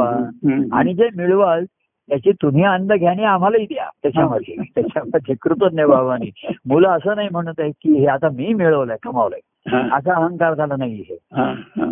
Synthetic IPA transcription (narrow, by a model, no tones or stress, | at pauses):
aa̰ɽ̃id͡zemiɭʋal | t̪jat͡ɕiːt̪um̤ianənd̪əɡʱjañiam̤alaiːd̪ja̰t̪jat͡ɕaməd̪ʱːjet̪jat͡ɕaməd̪ʱekɾut̪ənjəbʱaʋʋaniːmulaəsəːnaɦim̤əɽ̃ut̪əekiːɦeat̪amiːmiɭəʋləkəmaʋlə̰j | əs̬aəɦəŋkaɾt̪ʰalənaiɦḛɦã